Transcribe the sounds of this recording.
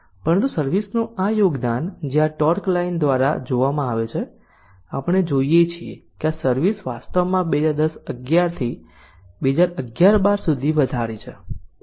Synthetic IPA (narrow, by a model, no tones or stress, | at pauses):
pəɾənt̪usəɾʋisnũajoɡd̪and͡ʒeãʈɔɾklaind̪ʋaɾa̰d͡ʒoʋamãaʋet͡ʃʰe | apəɽ̃ed͡ʒoijet͡ʃʰiḛkeasəɾʋisʋast̪əʋmãbed͡ʒaɾd̪əsəɡjaɾt̪ʰi | bed͡ʒaɾəɡjaɾbaɾsud̪ʱiʋəd̪ʱaɾit͡ʃʰe